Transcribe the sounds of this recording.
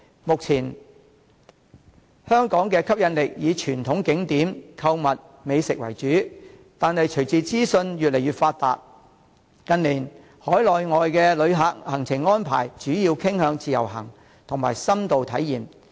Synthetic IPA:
mʊ˨k̚t͡sʰiː˨˩n | hœː˥ŋkɔː˨˥ŋkɛː˧kʰɐ˥p̚jɐ˧nlɪ˨k̚jiː˨˧t͡ʃʰyː˨˩nt̪ʰʊ˨˥ŋkɪ˨˥ŋt̪iː˨˥mkʰɐ˧wmɐ˨t̚ | me˨˧jsɪ˨k̚wɐ̰˨˩jt͡ʃyː˨˥ | t̪aː˨˧nhɐ˨jt͡ʃʰɵ˨˩ɥt͡sʰiː˨˧t͡siː˥sɵ˧njyː˨t̚le˨˩jɥyː˨t̚faː˧t̚t̪a̰ː˨t̚ | kɐ˧nliː˨˩n | hɔː˨˥jlɔː˨jŋɔː˨jkɛː˧lɵ˨˧ɥɦaː˨k̚hɐ˨˩ŋt͡sʰɪ˨˩ŋːɔː˥npʰa̰ː˨˩jt͡ʃyː˨˥jiː˧wkʰɪ˥ŋhœː˨˧ŋt͡siː˨jɐ̰˨˩wɦɐ̰˨˩ŋ | t̪ʰʊ˨˩ŋmaː˨˩jsɐ˥mt̪o˨wt̪ʰɐ˨˥jːiː˨m

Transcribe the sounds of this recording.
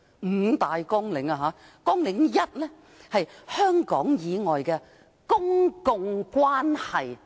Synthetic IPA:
m̩˨˩t̪aː˨jkɔː˥ŋlɪ˨˥ŋɐ˧ɦaː˨˥ | kɔː˥ŋlɪ˨˥ŋjɐ˥t̚lɛː˥ | hɐ˨jhœː˥ŋkɔ̰ː˨˥ŋjiː˨˧ŋɔː˨jkɛː˧ | kʊ˥ŋkʊ˧ŋkʷwaː˥nhɐ˨j

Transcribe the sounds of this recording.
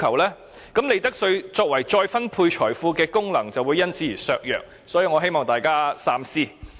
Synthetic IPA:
kʰɐ˨˩wlɛː˥ | kɐ˨˥mle˨˧jt̪ɐ˥k̚sɵ˧ɥt͡sɔː˧k̚wɐ˨˩jt͡ʃɔː˧jfɐ˥npʰuː˧jt͡ʃʰɔː˨˩jfuː˧kɛː˧kʊ˥ŋlɐ˨˩ŋt͡sɐ˨wuː˨˧jɐ˥nt͡sʰiː˨˥iː˨˩sœː˧k̚jœ̰ː˨k̚ | sɔː˨˥jiː˨˧wŋɔ˨˧ɦe˥jmɔː˨˩ŋt̪aː˨jkaː˥saː˧msiː˥

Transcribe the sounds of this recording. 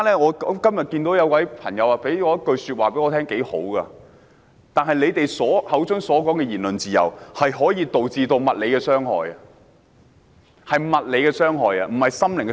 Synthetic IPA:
a˥lɛː˥ŋɔː˨˧˥kɐ˥mjɐ˨t̚kiː˧nt̪o˨˥wjɐ˨˧wkwɐ˨˥jpʰɐ̰˨˩ŋjɐ˨˧wa˧pe˨˥jŋɔː˨˧jɐ˥t̚kɵ˧ɥsyː˧t̚waː˨pe˨˥jŋɔː˧t̪ʰɛː˥ŋke˨˥jho̰˨˥wɡɐ˧ | t̪aː˨nɦɐ˨jle˨˧jt̪e˨jsɔː˨˥hɐ˨˥wt͡sɵ˥ŋsɔː˨˥kɔː˨˥ŋkɛː˧jiː˨˩nlɵ˨nt͡siː˨jɐ̰˨˩whɐ˨jɦɔː˨˥jiː˧t̪o˨wt͡siː˧t̪o˧wmɐ˨t̚le˨˧jkɛː˧sœː˥ŋɦɔ̰ː˨jɐ˧ | hɐ˨jmɐ˨t̚le˨˧jkɛː˧sœː˥ŋɦɔː˨jɐ˧m̩˨˩hɐ˨jsɐ˥mlɪ˨ŋk

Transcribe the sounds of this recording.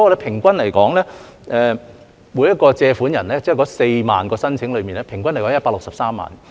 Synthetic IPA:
ɔ˨˧lɛ˨˧˥pʰɪ˨˩ŋkʷɐ˥nlɐ˨˩jkɔː˨˥ŋlɛː˥ʔɛː˨˧ | muː˨˧jɐ˥t̚kɔː˧t͡sɛː˧fuː˨˥njɐ˨˩nlɛː˥t͡sɪ˥˨kɔː˨˥se˧jmaː˨nkɔː˧sɐ˥nt͡sʰɪ˨˥ŋlɵ˨˧ɥmiː˨nɛː˥pʰɪ˨˩ŋkʷɐ˥ne˨˩kːɔ˧˥jpaː˧˥lʊ˨k̚sɐ˨p̚saː˥mːa̰ː˨n

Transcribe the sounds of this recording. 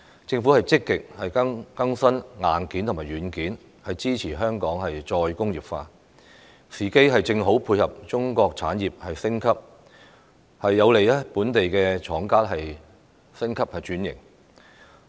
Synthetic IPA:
t͡sɪ˧ŋfu˨˥hɐ˨jt͡sɪ˥kːɪ˨k̚hɐ˨jɐ˥ŋkɐ˥ŋsɐ˥nŋaː˨nkiː˨˥nt̪ʰʊ˨˩maː˨˩jyː˨˧nkiː˨˥n | hɐ˨jt͡siː˥t͡sʰiː˨˩ɦœː˥ŋkɔː˨˥ŋɦɐ˨jt͡ʃɔː˧jkʊ˥ŋjiː˨˩p̚faː˧ | siː˨˩ke˥jɦɐ˨jt͡sɪ˧ŋɦo˨˥wpʰuː˧jhɐ˨p̚t͡ʃʊ˥ŋkɔː˧k̚t͡sʰaː˨˥njiː˨˩p̚hɐ˨jsɪ˥ŋkʰɐ˥p̚ | hɐ˨jːɐ˨˧wle˨jɐ˥puː˨˥nt̪e˨jkɛː˧t͡ʃʰɔː˨˥ŋkaː˥t̚ɦɐ˨j | sɪ˥ŋkʰɐ˥p̚hɐ˨jt͡ʃyː˨˥njɪ̰˨˩ŋ

